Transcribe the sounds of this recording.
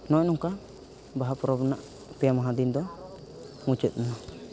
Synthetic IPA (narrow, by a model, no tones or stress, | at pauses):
nɔ̃ʔnɔŋka | baɦapɔɾɔbnaʔ | pɛjamaɦad̪ind̪ɔ | mut͡ʃɛt̪̚nuna